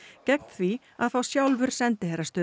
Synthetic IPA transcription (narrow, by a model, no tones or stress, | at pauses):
cɛkn̥θvi | a̰ðθawsjawlvʏɾ̥sɛnt̪ɪhejɾast̪œː